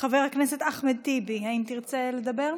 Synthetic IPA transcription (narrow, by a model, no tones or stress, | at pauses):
χaveʁhakneset̪aχmed̪̚t̪ibiaimt̪iʁt͡seled̪abe̞ʁ